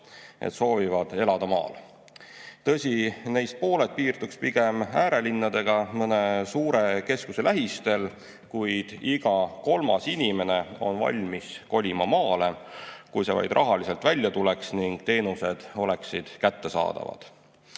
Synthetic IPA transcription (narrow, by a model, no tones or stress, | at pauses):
ʔḛt̪so̞ːvivɑd̪̥e̞lɑd̪ɑmɑ̰ːl | t̪ɤ̞sʲine̞jst̪̚po̞ːlet̪̚piːrt̪ukspiɡ̥e̞mæːɾe̞linːɑd̪̥e̞ɡ̥ɑmɤnesuːɾe̞ke̞skuse̞læɦist̪e̞l | kujd̪̥iɡ̥ɑko̞lmɑsinʲime̞ne̞o̞̰nvɑ̰lʲmisko̞lʲimɑmɑːle̞kujse̞̰vɑ̰jd̪rʔɑɦɑlise̞lt̪vælʲːjɑt̪ule̞ksniŋɡ̥̚t̪e̞ːnuse̞d̪̥o̞le̞ksid̪̥kæt̪ːe̞sɑ̰ːd̪̥ɑ̰vɑ̰d̪̥